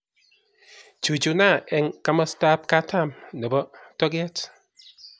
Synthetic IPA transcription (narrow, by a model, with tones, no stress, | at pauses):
d͡ʒu˨d͡ʒu˨˦na˦˨ʔɛ˦ŋka˦mə˦sta˦p̚ka˦tʰa˦˨mnə˨bɔ˦tɔ˦ɡɛ˦t